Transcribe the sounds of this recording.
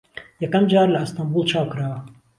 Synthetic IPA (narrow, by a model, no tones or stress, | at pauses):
jɐkɐmd͡ʒaːɾlɐɨst̪ambuːlˠt͡ʃʰaːwkɨɾaːwɐ